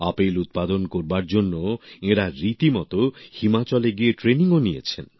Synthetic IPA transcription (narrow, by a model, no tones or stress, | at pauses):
apelut̪̚pad̪onkoɾbaɾd͡ʑonːoeɽaɾit̪imɔt̪ohimat͡ɕɔleɡieʈɾeniŋonijḛt͡ɕʰen